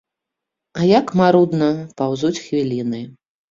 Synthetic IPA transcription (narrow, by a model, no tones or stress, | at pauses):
ajakmaɾud̪nɐpawzut͡sʲxvʲilʲinɨ